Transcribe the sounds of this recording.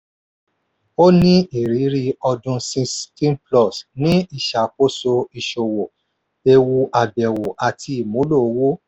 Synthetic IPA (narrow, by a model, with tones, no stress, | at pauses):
o˦nĩ˦i˨ɾi˨˦ɾi˧ɔ˧dũ˧sĩ˧stĩ˦plɔ˦˨snĩ˦i˦˨ʃa˨ko˦so˧i˨ʃo˨wo˨ | e˧wu˧ʔa˨bɛ˨wo˨ʔa˨tʰi˧i˨mõ˨˦lo˦˨˦wo˦